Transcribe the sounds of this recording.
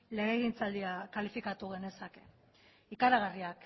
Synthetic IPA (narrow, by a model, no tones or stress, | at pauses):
leɣeɣint͡sald̪iakalifikat̪uɣ̞e̞ne̞sake̞ | ikaɾaɣariak